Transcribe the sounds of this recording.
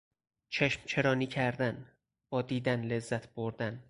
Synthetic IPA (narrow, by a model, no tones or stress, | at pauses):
t͡ʃʰeʃmt͡ʃʰeɾɒːniːcʰæɾd̪æn | b̥ɒːd̪iːd̪ænle̞zːæt̪ʰb̥oɾd̪æn